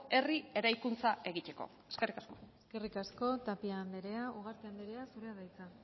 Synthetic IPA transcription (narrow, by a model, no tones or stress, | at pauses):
e̞rie̞ɾajkunt͡sae̞ɣit̪e̞ko̞̰ | eskerikasko̞eske̞rikasko̞t̪apiaːnd̪eɾe̞auɣ̞aɾt̪eand̪eɾe̞asuɾe̞aðajt͡sa